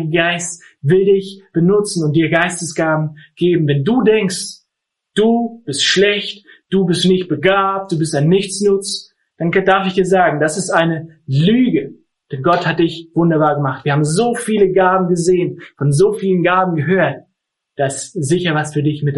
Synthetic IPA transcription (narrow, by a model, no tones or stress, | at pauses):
ɡəɡaɪst | vɪldɪçb̥ənʊt͡sn̩ʊnt̚d̥iːɐɡaɪstəsɡ̥aːbm̩ɡ̥eːbm̩vɛnduːdɛŋkst | d̥uːb̥ɪstʃlɛçtd̥uːbɪstnɪçt̚b̥əɡaːp̚t̚d̥uːbɪstaɪnːɪçt͡snʊt͡s | d̥andaɐfɪçd̥iːɐzaːɡŋ̩dasɪstʔaɪnəlyːɡə | d̥ɛnɡɔthat̚d̥ɪçv̥ʊndɐbaːɐɡəmaχtv̥iːɐaːbm̩zoːfiːləɡaːbm̩ɡəzeːənfɔnzoːfiːlənɡaːbm̩ɡəɦøːɐt̚ | d̥aszɪçɐvasfyːɐdɪçmɪt